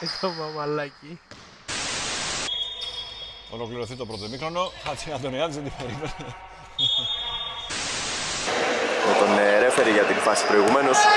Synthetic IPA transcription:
tovɐvɐlɐci | olokliɾo̞θit̪o̞pɾot̪omixɾono̞xɐt͡sʰiɐnd̪oniɐt̪izet̪ibeɾimene | met̪oneɾe̞fe̞ɾiʝɐt̪iɱfɐsi̥pɾo̞iɣumenos

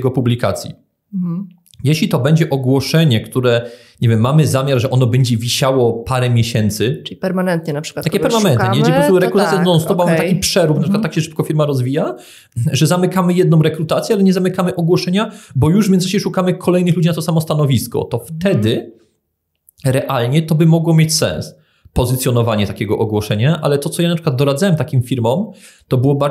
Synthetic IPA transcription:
ɡɔpublʲika̰t̪sʲjḭ | jeɕlʲit̪ɔbɛɲd͡ʑɛʔɔɡwɔʂɛɲɛkt̪uɾɛ | ɲɛvʲjɛmːamɘzamʲjaɾʐɛʔɔnɔbɛɲd͡ʑɛvʲiɕawɔpaɾɛmʲjeɕɛnt̪sɘtʲipɛɾmanɛnt̪ɲɛnapʂɘ̥kwat̪akʲɛpɛɾmanɛnt̪ɨɲɛpɾɔst̪uɾɛkkɾut̪asʲjɛnɔɔ̃sɔpmambtt̪akʲipʂɛɾufnapʂɘkwat̪ːakɕɛʂɘ̥p̚kɔfʲiɾmaɾɔzvʲija | ʐɛzamɘkamɘjɛd̪̚nɔ̃w̃ɾɛkɾut̪at̪sʲjɛalɛɲɛzamɘkamɘʔɔɡwɔʂɛɲabɔjuʐvʲjɛnzaɕɛʂukamɘkʰɔlɛjnɘxlud͡ʑinat̪ɔsamɔst̪anɔvʲiskɔ̰t̪ɔft̪ɛd̪ɘ | ɾɛʔalɲɛt̪ɔbɘmɔɡwɔmjet͡ɕsɛ̰̃ns | pɔzɘt̪sjɔnɔvaɲɛt̪akʲɛɡɔʔɔɡwɔʂɛɲaʔa̰lɛt̪ɔt̪ɔjanapʂɘkwad̪d̪ɔɾad̪zawɛmt̪akʲimfʲiɾmɔm | t̪ɔbɘwɔba

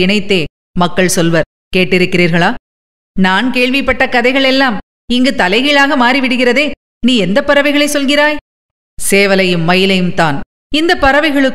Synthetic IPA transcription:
ɪɳɐɪt̪ːeː | mɐkːɐɭsɔlʋɐɾ | keːʈːɪɾɯkːɪɾiːɾɣɐɭaː | naːnkeːɭʋɪpːɐʈːɐkɐðɐɪɣɐɭɛlːaːm | ɪŋɡɯt̪ɐlɐɪɣɪɭaːɣɐmaːɾiʋɪɽɯɣɪrɐðeː | niːɛnd̪ɐpːɐɾɐʋɐɪɣɐɭɐɪsɔlɣɪɾaːj | seːʋɐlɐjɯmːɐjɪlɐjɯmt̪aːn | ɪnd̪ɐpːɐɾɐʋɐɪɣɐɭɯk

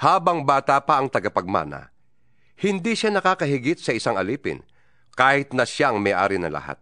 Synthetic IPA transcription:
haːbɐŋbaːt̪apɐʔɐŋt̪ɐɡapɐɡ̚ma̰ːnɐ̰ | hɪnd̪iʃanɐkaːkɐɦɪɡɪt̪̚sɐɪsaŋɐliːpɪ̰n | kaːhɪt̪̚nɐʃjaʔɐŋmɐjʔa̰ːɾɪnɐ̰lɐ̰ha̰t̪̚

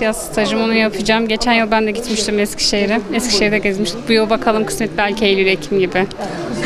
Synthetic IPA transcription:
t̪ijast̪ʰad͡ʒɯmonujapʰɯd͡ʒaːmɟe̞t͡ʃʰænjɯlˠbænd̪ɛɟit̪miʃt̪ʰimɛscʰʲi̥ʃejɾɪɛscʲi̥ʃejɾd̪ɛɟezmiʃt̪ʰimbujolˠbakʰalˠɯmkʰɯ̥smɛt̪̚bælʲcʰiejlʲiɾecʰimɟibɪ

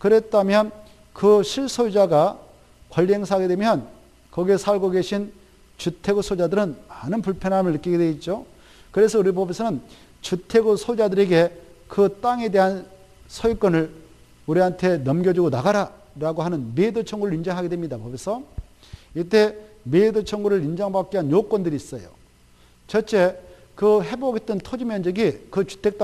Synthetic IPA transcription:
kɯɾet̚t͈ʰamjʌn | kɯɕʰiɭs͈ʰod͡ʑaɡa | kwʌʎːeŋsʰaɡe̞dwe̞mjʌn | kʌɡiesʰaɭɡoɡe̞ɕʰin | t͡ɕutʰe̞ɡosʰod͡ʑadɯɾɯnmanɯnpuɭpʰjʌnɦamɯɭːɯk͈iɡedweit̚t͡ɕ͈o | kɯɾe̞sʰʌuɾipobesʰʌnɯn | t͡ɕutʰe̞ɡosʰod͡ʑadɯɾe̞ɡe̞ | kɯt͈aŋe̞de̞ɦan | sʰʌjk͈ʌnɯɭ | uɾiɦantʰe̞nʌmɡjʌd͡ʑuɡonaɡaɾa | ɾaɡoɦanɯnmedot͡ɕʰʌŋɡuɾɯɭɾind͡ʑʌŋɦaɡedwemɲidapobesʰʌ | it͈e̞ | medot͡ɕʰʌŋɡuɾɯɭind͡ʑʌŋbak͈̚iɦanjok͈wʌndɯɾiːs͈ʌjo̰ | t͡ɕʌt͡ɕ͈e̞ | kɯɦe̞boɡet͈ɯntʰod͡ʑimjʌnd͡ʑʌɡikɯt͡ɕu̥tʰe̞k̚t͈

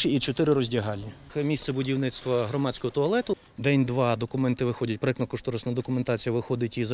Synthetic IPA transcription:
ʃɪit͡ʃɔt̪ɪɾɪɾɔzʲdʲɐɦɑlʲnʲimʲist̪sɛbʊdʲiwnɪt̪st̪ʋɐɦɾɔmɑsʲkɔɦɔt̪ʊɐlˠɛt̪ʊ | d̪ɛnʲd̪ʋɑd̪ɔkʊmɛnt̪ɪʋɪxɔdʲɐt̚ʲpɾɪknɐkɔʃt̪ɔɾɐsnɐd̪ɔkʊment̪ɑt͡sʲijɐʋɪxɔd̪ɪtʲiz

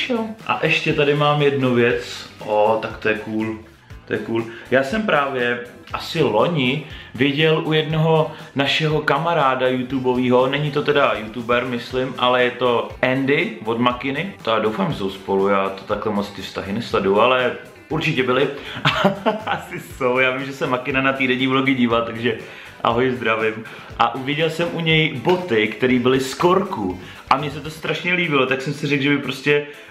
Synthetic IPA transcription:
ʃɛʔa̰ʔɛʃcɛt̪adɪmaːmjɛdnuvjɛt͡sʔot̪akt̪ojɛkuːl | t̪ojɛkuːljaːsɛmpɾaːvjɛ | ʔasɪlo̞ɲɪvɪɟɛlʔujɛdno̞ɦo̞naʃɛɦo̞kamaɾaːdajut̪ubo̞viːɦo̞nɛɲɪt̪o̞t̪ɛdajut̪ubɛɾmɪslɪmʔalɛjɛt̪o̞ʔɛndɪvo̞dmakɪnɪt̪adowfaːmʒɛsowspo̞lujaːt̪o̥t̪aklɛmot͡st̪ɪfst̪aɦɪnɛsladualɛ | ʔuɾt͡ʃɪcɛbɪlɪʔaʔasɪso̞wjaːvɪmʒɛsɛmakɪnanat̪iːdɛɲiːvloɡɪɟiːvalt̪aɡʒɛ | ʔa̰ɦojɪzd̪ɾavɪm | ʔaʔuvɪɟɛlsɛmʔuɲɛjbo̞t̪ɪkt̪ɛɾiːbɪlɪskoɾku | ʔamɲɛsɛt̪o̞st̪ɾaʃɲɛliːbɪlot̪aksɛmsɪrɛɡʒɛbɪpɾo̞scɛ

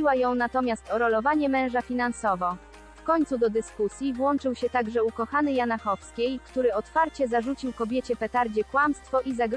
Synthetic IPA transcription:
iwajɔ̃w̃nat̪ɔmʲjast̪ɔɾɔlɔvaɲɛmɛ̃w̃ʐafʲinansɔvɔ | fkɔɲt̪sud̪ɔd̪ɘskusʲjivwɔnt͡ʂɘwɕɛt̪aɡʐɛukɔxanɘjanaxɔfskʲejkt̪uɾɘɔt̪faɾt͡ɕɛzaʐut͡ɕiwkɔbʲjet͡ɕɛpɛt̪aɾd͡ʑɛkwamst̪fɔʔizaɡ

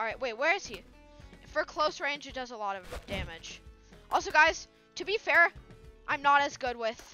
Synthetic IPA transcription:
ɹaɪʔ̚weɪt̚wə˞ɨz̥i | fə˞əkʰl̥oʊsɹẽɪ̃nd͡ʒɨt̚d̥ʌzəlɔɾʌvd̥æmɪd̥ʒ̥ | ʔɔ̰lˠsoʊɡaɪz̥ | tʰɨbifɛɹʔã̰ɪ̃mnəɾɨzɡʊd̚wɪð̥

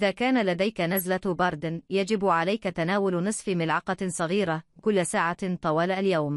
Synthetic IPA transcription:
ʔɪðaːkaːnalad̪ajkanazlabɑɾˤd̪ɪnjad͡ʒɪbʕalajkat̪anaːwʊlnɨsˤfimɪlʕɑqɑsˤɑɣiːɾakʊlːsaːʕat̪ˤɑwɑːlaljawm

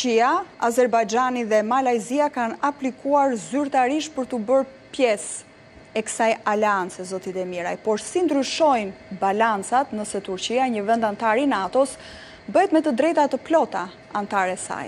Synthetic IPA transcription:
iaazɛɾbajd͡ʒaniðɛmalajziakanaplikuaɾzyɾt̪aɾiʃt̪̚pəɾt̪ubəɾ | pjɛs | ɛkə̥sajalɛant͡sɛzɔt̪it̪ɛmiɾa̰jpɔɾsind̪ɾyʃɔjnbalant͡sat̪nəsɛt̪uɾt͡ɕiaɲəvɛnd̪ant̪aɾinat̪ɔs | bəhɛt̪mɛt̪əd̪ɾɛjt̪at̪əplɔt̪a | ant̪aɾɛsa̰j

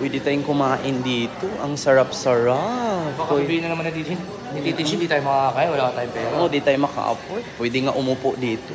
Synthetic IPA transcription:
pwɛːd̪ɪt̪aːjʊŋkʊmaːʔɪnd̪iːt̪o̞ʔɐŋsɐɾap̚sɐɾapaojbiːɪnːɐnɐmanːɐd̪it̪ɪɪn | ɐit̪ɪʃɪnd̪iːt̪aːjʊ̃mɐkaakaːjwɐlaːkɐt̪aːjʊpɛːɾood̪ɪt̪aːjʊmɐka̰ʔɐ̰pojt̪̚pwɛd̪ɪŋaʔʊmuːpoʔd̪iːt̪o

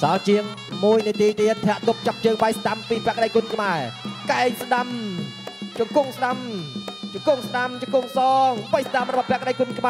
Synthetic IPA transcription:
sɑt͡ɕiəŋ | muəjnɨət̪iːt̪iət̪̚ʰːɛ̆əʔt̪up̚t͡ɕɑp̚t͡ɕəːŋɓajsɗampiːpɛ̆əkəɗəjkunkʰmaɛkaɛŋsɗam | t͡ɕʊŋkuŋsɗamt͡ɕoŋkuŋsɗamt͡ɕoŋkuŋsɑːŋɓəjsɗamrɔɓɑhpɛ̆ək̚əɗəjkuənkʰma

